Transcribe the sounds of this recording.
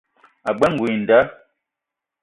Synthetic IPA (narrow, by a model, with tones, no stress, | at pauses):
a˨ɡ͡bɛ˦ŋ̩˨ɡwi˨n̩˨da˦